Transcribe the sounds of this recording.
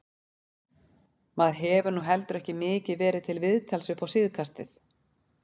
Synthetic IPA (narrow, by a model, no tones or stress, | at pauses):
maðɦɛːvʏɾnuɦɛlt̪ʏɾɛhcɪmɪːcɪðvɛːɾɪðt̪ʰɪlvɪðt̪ʰalsʏpawsɪːðkʰast̪ɪ̰θ